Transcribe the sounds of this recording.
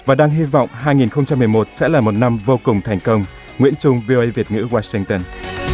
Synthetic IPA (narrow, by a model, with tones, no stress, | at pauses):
vaː˨˩ɗaː˧ŋɦi˧vɔ̰˧˨wŋ͡mɦaː˧jŋi˨˩nxə˧wŋ͡mt͡ɕa˧mːɨ˨˩əjmo˨˩t̚sɛ̰˧˥laː˨˩mo˨˩t̚na˧mvo˧kʊ˨˩ŋ͡mt̪ʰɛ˨˩jŋ̟kə˧wŋ͡m | ŋwḭ˧˥ənt͡ɕʊ˧ŋ͡mvi˧o˧ʔə˧jvi˨˩ət̚ŋɨ̰˧˥waː˧sï˧ŋt̪ə˧n